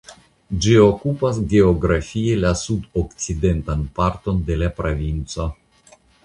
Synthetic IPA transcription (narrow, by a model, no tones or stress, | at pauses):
d͡ʒiokupas̬ɡe̞oɡɾafielasudokt͡side̞ntanpaɾto̞nde̞lapɾovint͡so̞